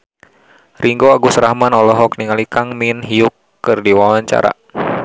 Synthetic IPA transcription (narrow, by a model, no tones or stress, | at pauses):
rʔiŋɡoaɡusɾahmanɔlɔɦɔk̚niŋalikaŋminɦiukːɨrdiwawaɲt͡ʃa̰ɾa̰